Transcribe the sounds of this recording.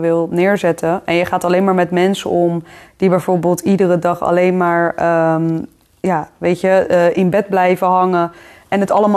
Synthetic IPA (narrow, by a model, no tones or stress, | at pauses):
ʋɪlˠnɪːɹzɛtʰəɛnjəχaːtɑlejnmaːɹmɛtmɛnsə̰ɔmd̥ibɛjvoːɹbɪːlˠtidərədɑχɑ̰lejnmaːɹə | jaːʋejtəəʔɪnbɛd̚blɛjvəɦɑŋəʔɛnɦətɑləma